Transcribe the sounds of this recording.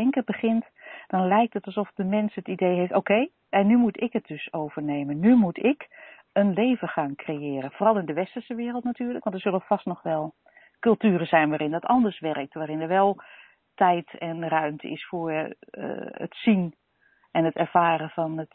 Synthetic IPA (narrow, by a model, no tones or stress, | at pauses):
ɛŋkəbəχɪnt | d̥ɔnlɛjk̚tətɑlˠsɔfdəmɛnsətidejɦeftowkej | ɛnːymutʰɪkət̚d̥ɵsowv̥ərneːmənnymutʰɪk | ənleːvəxaːŋkrejɪːəɾəfoːrɑlˠɪndəʋɛstərsəʋɪərəlˠtnatyːrləkʋɔ̃ɑntdəz̥ølˠəfastnɔxʋɛlˠ | kɵlˠtyəɾəzɛjnʋaːɾɪndɔtɑ̰ndərsʋɛrək̚tʋaːɾɪnəɹʋɛlˠ | tɛjtʰɛnrœɥmtʰə̰ɪ̰sfoːɹ̰ | ə̰tsin | ɛnətɛɹfaːɾəfɔnət